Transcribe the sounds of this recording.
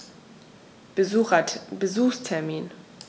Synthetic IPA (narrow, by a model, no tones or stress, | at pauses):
ɐbəzuːxstʰɛɐmiːn